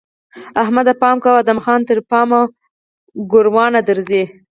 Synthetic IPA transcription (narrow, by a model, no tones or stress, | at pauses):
ahmad̪apɑmkawad̪amxɑnt̪əɾpɑma | ɡʊɾwɑnad̪əɾze